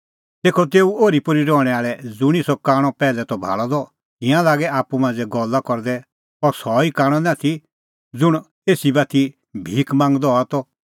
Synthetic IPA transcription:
t̪eːkʰɔt̪̬eːuoːɾipʊɾiɾɔːɽ̃ɛaːɭɛd͡zʊɽ̃isɔkaːɽ̃ɔpɛːlɛt̪ɔbʱa̰ːɭɔd̪ɔ | ɪ̃jãlaːɡɛaːpumãːnd͡zɛɡɔlakɔɾd̪ɛ | ɔɾsɔikaːɽ̃ɔ̃nãt̪ʰi | d͡zʊɽ̃ | eːsibat̪ʰi | bʱiːkmãːŋɡd̪ɔat̪ɔ

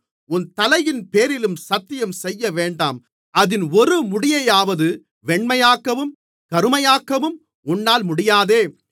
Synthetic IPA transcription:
ʊnt̪ɐlɐjɪnpeːɾɪlɯmsɐt̪ːɪjɐmsɛjːɐʋeːɳɖaːm | ɐðɪnɔɾɯmʊɽɪjɐjaːʋɐðɯ | ʋɛɳmɐjaːkɐʋɯm | kɐɾɯmɐjaːkɐʋɯm | ʊnːaːlmʊɽɪjaːðeː

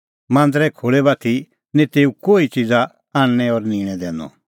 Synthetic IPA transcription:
mãːnd̪əɾɛkʰoːɭɛbat̪ʰi | nĩt̪eːukoːit͡ʃid͡za | aːɽ̃ñɛɔɾniːɽ̃ɛd̪ɛ̃ːnɔ̰

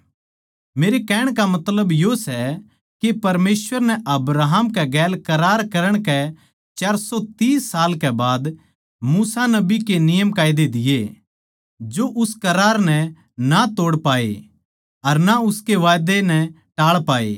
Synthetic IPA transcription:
meːɾekɛːɽ̃kamɐt̪ləbjosɛ | kepɐɾmeːsʋəɾnɛʔɐbɾaːɦəmkɛɡɛːlkɐɾaːɾkɐɾəɽ̃kɛ | t͡ʃaːɾsɔt̪iːsaːlkɛbaːd̪ | muːsanɐbikenɪjəmkaːɪd̪ed̪ɪje | d͡ʒoʔʊskɐɾaːɾnɛ | nat̪oːɽpaːḛ | ɐɾnaʊskeʋaːjd̪enɛ | ʈaːɭpaːḛː

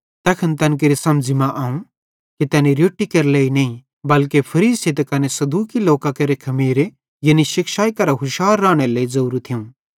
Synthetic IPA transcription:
t̪ɛːkʰɐnt̪ɐnk̬eɾisɐmd͡ʒimãʔaːũ | kit̪ɛːniɾjoːʈːikɐɾleːinɐĩ | bɐlkepʰɐɾiːset̪ɐkɐnesɐd̪uːkiloːkakɐɾekʰɐmiːɾe | jɐniʃɪkʃaːikɐɾaɦʊʃaːɾːãːɽ̃eleːizɐuːɾt̪ʰijũː

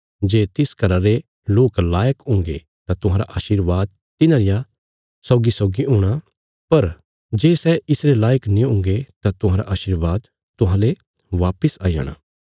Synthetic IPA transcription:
d͡ʒeːt̪ɪskɐɾaɾe | loːklaːjəkʊ̃ŋɡḛ | t̪at̪ʊɦãːɾa̰ʔaːʃiːɾʋaːd̪̚ | t̪ɪnãːɾɪja | sɔːɡisɔːɡiʊ̃ːɽ̃a | pɐɾ | d͡ʒeːsɛʔɪsɾelaːjəknĩʊ̃ŋɡet̪at̪ʊɦãːɾa̰ʔaːʃɪɾʋaːd̪ | t̪ʊɦãːle | ʋaːpəsaːija̰ːɽ̃a̰ː

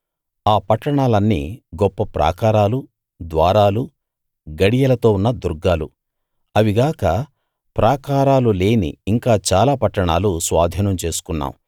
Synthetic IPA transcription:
aːpɐʈːɐɳaːlɐnːḭːɡɔpːɐpɾa̰ːkaːɾaːlu | d̪ʋa̰ːɾaːlu | ɡɐɽijɐlɐt̪o̞ːunːɐd̪uɾɡːaːlu | ɐʋiɡaːkɐ | pɾʔaːkaːɾaːlule̞ːnḭːŋkaːt͡ʃaːlaːpɐʈːɐɳaːlusʋa̰ːd̪ʱiːnɐmt͡ʃe̞ːsu̥kunːa̰ːmu

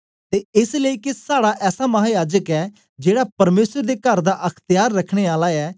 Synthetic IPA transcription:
t̪eɪsləikesaːɽaʔɛːsamɐɦaːjaːd͡ʒəkɛː | d͡ʒeːɽapɐɾmeːsəɾd̪ekɐɾd̪aʔɐkʰt̪ɪjaːɾːɐkʰɽ̃eaːlaɛː

